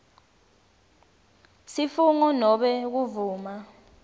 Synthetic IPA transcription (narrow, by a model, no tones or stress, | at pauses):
sifuŋunɔɓɛk̬uvuːma